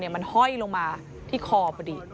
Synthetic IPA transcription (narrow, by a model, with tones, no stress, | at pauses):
ni˥˩ɐma˧nhɔ˥˩jloː˧ŋmaː˧ | t̪ʰiː˥˩kʰɔː˧pʰɔ˧diː˨˩